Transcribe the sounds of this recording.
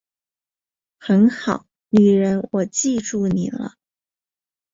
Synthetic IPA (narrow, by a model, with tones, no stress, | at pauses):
xə˧˥nxɑ˨˩˦ʊ | ny˨˩ɻə˧˥nwɔ˨˩t͡ɕi˥˧ʈ͡ʂu˥˩ni˨˩lə̰˦